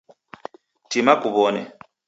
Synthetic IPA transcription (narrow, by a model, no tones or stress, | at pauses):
timakuβɔnɛ̰